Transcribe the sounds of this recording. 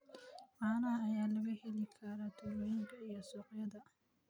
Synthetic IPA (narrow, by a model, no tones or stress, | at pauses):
ʔaːnɐɐːjaːlɐɣɐhɛlɪkʰɐɾaːt̪ʰʊɾɔɪŋkʰɐijɔsɔːqjɐðɐ